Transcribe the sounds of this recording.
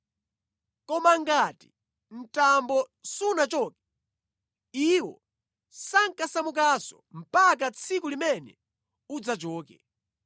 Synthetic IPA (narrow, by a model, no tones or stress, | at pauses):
kɔmaŋɡati | n̩tambɔsunat͡ʃɔːkɛ̥ | iwɔ | saŋkasamuk̬asɔ̰m̩pak̬at͡sʰikulimɛnɛ̰ | ud͡zat͡ʃɔːkɛ